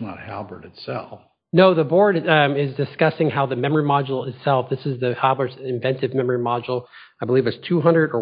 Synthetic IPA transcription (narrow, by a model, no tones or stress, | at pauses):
nə̰t̚hælˠbə˞ɾɨtsɛ̰lˠf | noʊðəbɔɹɾɪzdɨskʌsɪ̃ŋhaʊðɨmɛ̃mə˞imɑd͡ʒl̩ˠɪtsɛlˠfðɪsɨzðɨhælˠbə˞dzɪ̃ɱvɛ̃ntɨvmɛmə˞imɑd͡ʒl̩ˠ | aɪbəlivɨtstʰuɦʌ̃ndɹɨɾə˞